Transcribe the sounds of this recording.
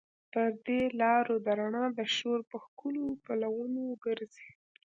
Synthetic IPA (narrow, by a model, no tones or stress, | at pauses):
pəɾd̪elɑɾod̪aɾaɳɑd̪əʃoɾpəxkulopəlawənoɡəɾze̥